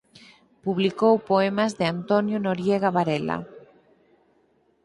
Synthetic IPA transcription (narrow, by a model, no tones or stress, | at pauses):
puβlikowpoemazðeant̪onjonoɾjeɣaβaɾela̰